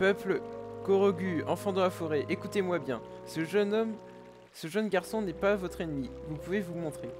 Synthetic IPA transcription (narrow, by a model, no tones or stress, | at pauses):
pœpləkɔʁɔɡʲyɑ̃fɑ̃d̪ɑ̃lafɔʁɛʔekut̪emwabjɛ̃ | səʒnɔm | səʒœnɡʲaʁsɔ̃nɛpavɔt̪χenmivupuvevumɔ̃t̪χe